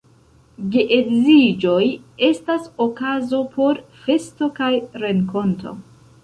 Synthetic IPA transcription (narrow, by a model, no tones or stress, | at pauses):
ɡeʔedzid͡ʒo̞je̞stasokazo̞pʰo̞ɾfe̞sto̞kajɾeŋko̞ntʰo̞̰